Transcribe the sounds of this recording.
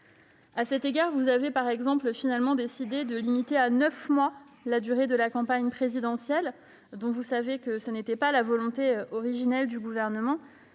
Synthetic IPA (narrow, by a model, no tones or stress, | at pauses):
asɛt̪eɡaʁvuzavepaʁɛɡzɑ̃plfinalmɑ̃d̪esid̪ed̪əlimit̪eanœfmwalad̪yʁed̪əlakɑ̃paɲpχezid̪ɑ̃sjɛl | d̪ɔ̃vusavekəsənet̪ɛpalavɔlɔ̃t̪eɔʁiʒinɛld̪yɡuvɛʁnəmɑ̃